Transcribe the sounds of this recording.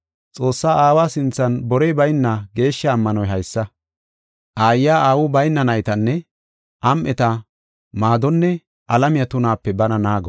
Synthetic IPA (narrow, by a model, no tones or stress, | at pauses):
t͡sʼo̞ːsːaːaːwaːsɪnt͡sːɐnbɔɾejbɐjnːaɡe̞ːʃːɐːmːɐnɔjɦɐjsːɐ | ʔaːjːaːaːwʊbɐjnːɐnɐjt̪ɐnːɛ | ʔɐmʔɛt̪ɐ | maːd̪ɔnːɛ | ʔɐlɐmɪjɐt̪ʊnaːpːɛbɐnɐnaːɡɔ